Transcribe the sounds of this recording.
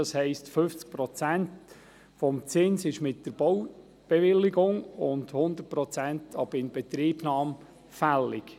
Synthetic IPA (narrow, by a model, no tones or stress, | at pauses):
ɑshɛɪstfʏft͡sk̚pɾɔt͡sænt | fɔmt͡sɪnsɪʃmɪtd̥əɾb̥ɔw | b̥ɛvɪlɪɡʊŋʊndhʊnd̪ərt̚pɾɔt͡sæntʰɑbɪnb̥ɛt̪ɾiːbnɑːm | fælːɪk